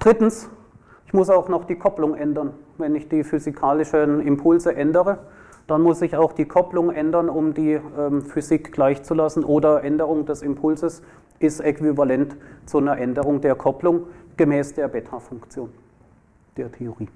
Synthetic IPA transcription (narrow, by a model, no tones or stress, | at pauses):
d̥ʁɪtn̩s | ɪçmʊsaʊxnɔχd̥iːkʰɔplʊŋʔɛndɐnvɛnɪçd̥iːfyzikʰaːlɪʃənɪmpʰʊlzəʔɛndəʁə | d̥anmʊszɪçaʊxd̥iːkʰɔplʊŋʔɛndɐnʊmdiːʔɛːmfyzikɡ̥laɪçt͡sulasn̩ʔoːdɐʔɛndəʁʊŋdɛsɪmpʰʊlzəs | ʔɪstʔɛkv̥ivalɛntt͡sunɐʔɛndəʁ̞ʊŋdeːɐkʰɔplʊŋɡ̥əmɛːsd̥eːɐbɛtʰafʊŋkt͡sjoːn | d̥eːɐtʰeoʁiː